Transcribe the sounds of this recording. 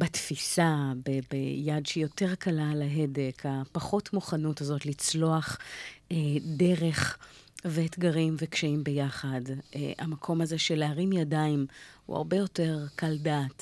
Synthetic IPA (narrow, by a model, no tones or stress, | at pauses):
batfisabebḛjadʃeijo̞te̞ʁkalalaɦe̞de̞kʰapaχo̞tmuχanutazo̞tlit͡slo̞aχede̞ʁe̞χ | veetɡaʁimvekʃaimbejaχad̰amakʰo̞mazeʃeleaʁimjadaimhṵa̰ʁbejo̞te̞ʁkaldaːt